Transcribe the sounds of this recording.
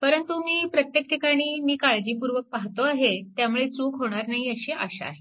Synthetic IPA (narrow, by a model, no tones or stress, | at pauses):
pəɾənt̪umiːpɾət̪jek̚ʈʰikaɽ̃iːmiːkaɭd͡ʑiːpuɾʋək̚paɦt̪oaɦet̪jamuɭet͡suːkɦoɽ̃aɾnaiəɕiʔəɕa̰a̰ɦe